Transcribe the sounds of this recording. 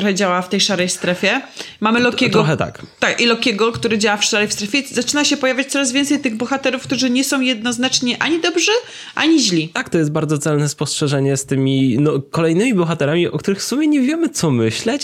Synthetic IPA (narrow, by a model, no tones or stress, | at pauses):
t̪ɔhɛd͡ʑawaft̪ɛjʂaɾɛjst̪ɾɛfʲjɛmamɘlɔkʲɛɡɾɔɔxɛt̪a̰kt̪akilɔkʲɛɡɔkt̪uɾɘd͡ʑawafʂaɾɛjfst̪ɾɛfʲjɛzat͡ʂɘnaɕɛpɔjavʲjat͡ɕ̚t̪ɔɾazvʲɛnt̪sɛjt̪ɘɣbɔxat̪ɛɾufkt̪uʐɘɲɛsɔ̃w̃jɛd̪̚nɔznat͡ʂɲɛʔaɲid̪ɔbʐɛ | ʔaɲiʑlʲit̪akt̪ɔjɛst̪̚baɾd̪zɔt̪sɛlnɛspɔstʂɛʐɛɲɛst̪ɘmʲinɔkɔlɛjnɘmʲibɔxat̪ɛɾamʲiʔɔ̰kt̪uɾɘxfsumʲjɛɲɛvʲjɛmɘt̪sɔmɘɕlɛt͡ɕ